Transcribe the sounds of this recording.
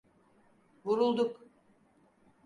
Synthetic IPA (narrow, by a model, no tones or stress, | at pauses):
vuɾulˠd̪uk